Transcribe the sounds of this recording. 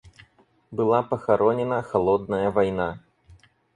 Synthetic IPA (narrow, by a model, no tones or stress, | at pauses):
bɨlˠapɐxaɾɔnʲɛnɐxalˠɔd̪̚nɐjɐvajna